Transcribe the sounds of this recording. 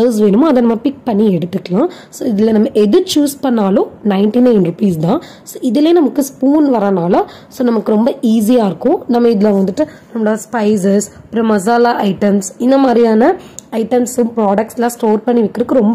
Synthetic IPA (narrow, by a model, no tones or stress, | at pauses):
ɐʊs̬ʋeːnɯmɐðɐnɐmːɐpɪk̚pɐɳːiɛɽɯt̪ːɯkːɐɭãː | soːɪðɪlːɐnɐmːɐʔɛðɯɾt͡ʃuːspɐɳːaːlʊ̃nɐɪɳʈinɐɪnɾʊpiːsd̪ãː | soːɪðɪleːnɐmɐkːɯspuːnʋɐɾɐnaːlɐ | soːnɐmɐkːɯɾɔmbɐiːs̬ijaːɪɾɯkːʊ̃nɐmːɐɪðɪlɐʋɐnd̪ɯʈːɯnɐmːɐɽːɐspɐɪs̬ɛspɪɾɛmɐs̬aːlaːʔɐɪʈɐmsɪnd̪ɐmaːd̪ɾijaːnɐɐɪʈɐmsʊpɾaːɽɐk̚ʈsɪlãːsʈoːɾpɐɳːiʋɪkːɪɾɯkːɯɾɔmbɐ